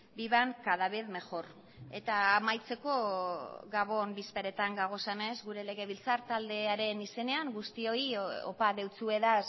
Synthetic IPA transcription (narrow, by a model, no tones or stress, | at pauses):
biβaŋkaðaβeðme̞xo̞r | e̞t̪aːmajt͡se̞ko̞ɡaβo̞nbispe̞ɾe̞t̪aŋɡaɣ̞o̞sene̞zɣuɾe̞le̞ɣe̞β̞ilt͡saɾt̪ald̪e̞aɾe̞nise̞ne̞aŋɡust̪io̞io̰paðe̞wt͡sue̞ðas